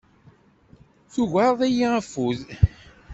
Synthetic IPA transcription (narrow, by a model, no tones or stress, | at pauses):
θuʝaɾˤðˤæjiæfuð